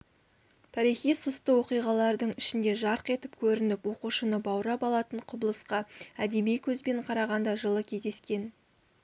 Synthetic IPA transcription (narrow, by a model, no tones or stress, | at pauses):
t̪ʰɑɾijχijsʊst̪əwo̞qijʁɑlˠɑɾd̪əɴɪʃɪnd̪e̞ʒɑɾqe̞t̪ɪpkʲʰɵɾɪnɪpwo̞quʃənəbɑwɾɑpɑlˠɑt̪əɴqʰʊblˠəsqɑæd̪e̞mijkʲʰɵzbe̞ɴqʰɑɾɑʁɑnd̪ɑʒəlˠəkʲʰe̞zd̪e̞skʲe̞n